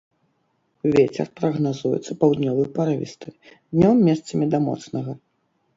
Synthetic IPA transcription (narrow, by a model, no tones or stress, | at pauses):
wvʲet͡sʲɛ̰rpɾɐɣnazujɛ̰t̪sɐpawd̪nʲɔvɨjpaɾavʲḭst̪ɨd̪nʲɔmːʲɛst̪sɐmʲid̪ɐmɔ̰t̪snɐɣɐ